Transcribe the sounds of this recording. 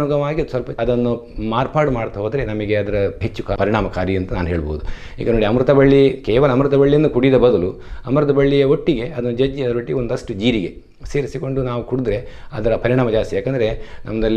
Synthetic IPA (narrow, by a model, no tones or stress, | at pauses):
uɡɐʋaːɡisʋɐlpɐɐd̪ɐnːumaːɾpaːɖmaːɽt̪ɐɦoːd̪ɐɾe̞nɐmɐɡe̞ɐd̪ɐɾɐɦet͡ʃːukapɐɾiɳaːmɐkaːɾiɐnt̪ɐnaːnɦeːɭbo̰ːud̪u | ḭːɡɐno̞ːɽiɐmɾut̪ɐbɐɭːikɛːʋɐlɐɐmɾut̪ɐbɐɭːijɐnːukuɽid̪ɐbɐd̪ɐlu | ɐmɾɐt̪ɐbɐɭːijɐɦo̞ʈːiɡe̞ʔɐd̪ɐnːud͡ʒɐd͡ʒiɐd̪ɾʋɐʈːiond̪ɐʂʈud͡ʒiːɾiɡe̞ | seːɾisiko̞ɳɖunaːʋukuɽud̪ɾe̞ɐd̪ɐɾɐpɐɾiɳaːmɐd͡ʒaːst̪ijaːkɐnd̪ɐɾe̞nʔɐ̰mːɐd̪ɐlːi